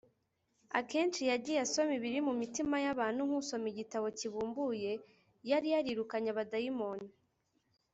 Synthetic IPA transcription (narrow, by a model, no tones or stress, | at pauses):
a̰ke̞ːnt͡ʃijaɟijaso̞miβiɾimumitimajaβaːn̥huŋhuso̞miɟitaβo̞ciβuːmbuje̞ | jaɾijaɾiɾukaɲaβadajimoni